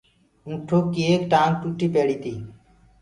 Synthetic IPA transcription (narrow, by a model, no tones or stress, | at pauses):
ũːʈʰoːkːiːeːkʈãːŋk̚ʈuːʈːiːpeːɽiːt̪iː